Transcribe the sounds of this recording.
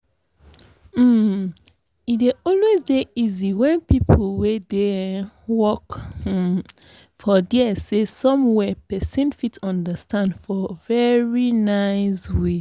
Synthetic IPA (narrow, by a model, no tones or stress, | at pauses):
m̩ | ideɔlwezdeiziwɛ̃npipʰolwedewɔk | fɔdɛsesɔ̃mwɛpɛsĩnfitsɔ̃ndəstʰãndfɔvɛɹinaɪswe